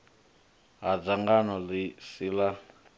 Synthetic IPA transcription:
ɦad͡zaŋɡanɔlisiːla

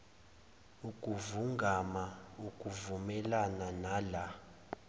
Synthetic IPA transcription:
ukʼuvuŋɡʱamaukʼuvumɛlananaːla

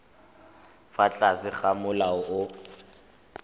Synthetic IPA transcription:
fat͡ɬʼasɪχamʊlaʊʔʊ

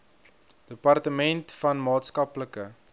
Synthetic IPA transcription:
d̥əpɐrtəmɛntfɐnmɑːtskɐpləkə

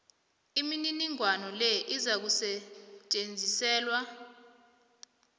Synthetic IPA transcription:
imininiŋwanɔlɛʔizak̬usɛt͡ʃʼend͡zʱisɛːlwa

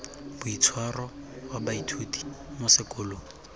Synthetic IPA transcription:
bʊit͡sʰwarɔwabaitʰuti̥mʊsɪkʼʊːlo

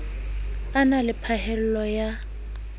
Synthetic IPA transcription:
analɪpʰahɛl̩lɔja

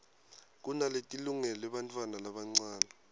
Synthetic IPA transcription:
k̬ʼunaletʼiluŋɛlɔɛɓantʼwanalaɓaŋ͡ǀwaːna

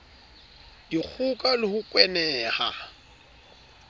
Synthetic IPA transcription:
d̥ik͡xʰukʼalɪhʊkʼwɛnɛːha̰

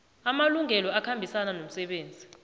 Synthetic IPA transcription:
amaluŋʱɛlɔakʰambʱisananom̩sɛɓeːnd͡zʱi

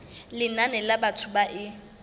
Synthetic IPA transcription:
lɪnanɛlabatʰubaʔɪ

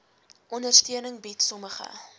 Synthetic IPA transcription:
ʔɔndərstiənəŋbitsɔməχə̰

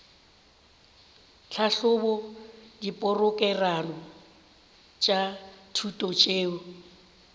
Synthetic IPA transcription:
t͡ɬʰaɬʊbɔdipʼʊrʊkʼɛranɔ | t͡ʃʼatʰutʼɔt͡ʃʼeːʊ

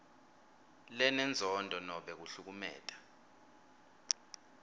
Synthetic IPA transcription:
lɛnɛnd͡zʱɔndʱɔnɔɓɛk̬uɬuk̬umɛ̰ːtʼḁ

